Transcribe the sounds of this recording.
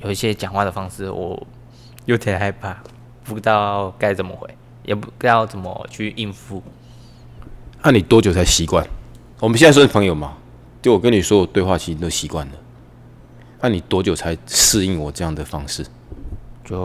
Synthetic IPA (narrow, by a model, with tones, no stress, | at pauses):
jo˨˩ʊi˥˩ɕjɛ˦˥t͡ɕjɑ˨˩ŋxwa˥˩d̪ə˩fɑ˦ŋʂ̩˥˩wʔɔ̰˨˩ | jo˧˥ʊt̪ʰjɛ˨˩nxa˥˧ɪpʰa˥˩ | pu˧˥t̪ɑ˥˧ka˥˩ɪt͡sə˨˩nmə̰˨xwe˨˦ɪ | jʔɛ˨˩pu˧˦˥jɑ˥˩ʊt͡sə˨˩nmə̰˨t͡ɕʰy˥˧ʔi˥˩nfu˦ | a˥˩ni˨˩t̪wɔ˦˥t͡ɕjo˨˩ʊt͡sʰa˨˦ɪɕi˨˧˦kwa˥˨n | wɔ˨˩mə˨˦ɕɛ˥˧˥wnə˥pʰə˦ŋjo˨˩ʊma˨ | t͡ɕo˥˩ʊwɔ˨kə˦ni˨˩swɔ˦˥wɔ˨˩t̪we˥˧ɪwa˥˨˩t͡ɕʰi˧˥˧t̪o˧˦ʊɕi˨˦kwa̰˥˨nlə˩ | a˥˩ni˨˩t̪wɔ˦t͡ɕjo˨˩t͡sʰa˨˦ɪʂɹ̩˥˧i˥˨ŋwɔ˨˩ʈ͡ʂɤ˥˧jɑ˥˨˩ŋd̪ə˩fɑ˦˥ŋʂɻ̩˥˨ | t͡ɕjo˥˨